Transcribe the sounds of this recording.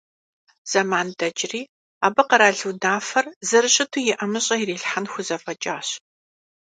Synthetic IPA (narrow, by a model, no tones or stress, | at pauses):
z̥ɐmaːndɐd͡ʒriː | aːbɐqɐɾaːɮuwdaːfɐrzɐɾɨɕʼɪtʰujɪʔɐmɨɕʼɐjiriːɬħanxʷʊzɐfʼɐt͡ʃʼaːɕ